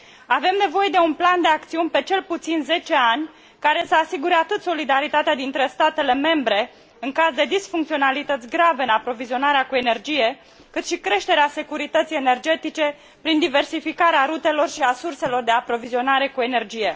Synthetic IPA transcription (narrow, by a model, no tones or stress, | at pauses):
ave̞mne̞vo̞je̞d̪e̞unpland̪e̞ak̚t̪siunʲpe̞t͡ʃe̞lput̪sinze̞t͡ʃe̞anʲ | kaɾe̞səasiɡuɾeat̪ɨt̪so̞lid̪aɾit̪at̪ead̪int̪ɾe̞st̪at̪e̞le̞me̞mbɾe̞ | ɨŋkazd̪e̞d̪isfuŋkt̪sionalit̪ət̪sʲɡɾaveɨnapɾo̞vizio̞naɾeakue̞ne̞rd͡ʒije̞ | kɨt̪ʃikɾe̞ʃt̪e̞ɾease̞kuɾit̪ət̪sijene̞rd͡ʒe̞t̪it͡ʃe̞ | pɾind̪ive̞rsifikaɾeaɾut̪e̞lo̞rʃiasurse̞lo̞rd̪e̞apɾo̞vizio̞naɾe̞kue̞ne̞rd͡ʒije̞